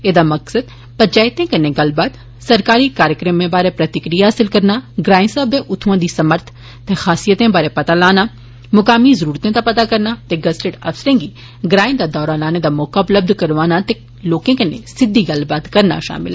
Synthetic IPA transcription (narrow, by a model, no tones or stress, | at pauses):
eːd̪amɐksəd̪̚ | pɐt͡ʃaːɪt̪ẽkeneɡɐlbaːd̪ | sɐɾkaːɾikaːɾjəkɾəmːẽbaːɾepɾɐt̪ɪkɾijaɦasɪlkɐɾnaɡɾaːɪ̃nsabẽʔʊt̪ʰʋõd̪isɐməɾt̪ʰ | t̪exaːsijət̪ẽbaːɾepɐt̪alaːna | mʊkaːmizɐɾuːɾt̪ẽt̪apɐt̪akɐɾnat̪eɡɐsʈeʈɐ̰fsɾẽŋɡi | ɡɾãːɪ̃nd̪ad̪ɔːɾalaːned̪amoːkabləb̚d̪ʱkɐɾʋaːnat̪e | loːkẽkenḛ̃sɪd̪ʱːiɡɐlbaːd̪kɐɾna̰ʃa̰ːmɪ̰l